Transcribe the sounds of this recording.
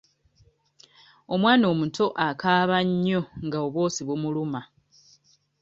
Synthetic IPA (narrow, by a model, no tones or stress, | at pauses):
o̞mwaːno̞ːmutʰo̞ʔakaːβaɲːo̞ŋɡaoβwo̞ːsiβumuluma